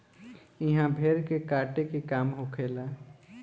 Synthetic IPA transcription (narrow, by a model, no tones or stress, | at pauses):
ɪɦãbʱeːɾkekaːʈekekaːmɦokʰeːlaː